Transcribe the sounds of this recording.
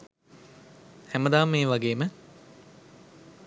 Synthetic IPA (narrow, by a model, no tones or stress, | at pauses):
hæməd̪aːmːeːʋaɡeːmə